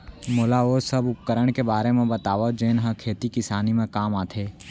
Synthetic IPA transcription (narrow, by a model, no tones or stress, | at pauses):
moːlaoːsəbʊp̚kəɾəɽ̃kebaːɾemẽbɐt̪aːʋod͡ʒeːnɦə̃kʰeːt̪ikɪsaːnimẽkaːmaːt̪ʰeː